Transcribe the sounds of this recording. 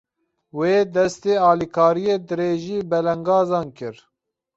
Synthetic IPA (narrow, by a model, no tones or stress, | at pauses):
weːd̪ɛst̪eːɑːlikʰɑːɾijeːd̪ɨɾeːʒiːbɛlɛŋɡɑːzɑːnkɨɾ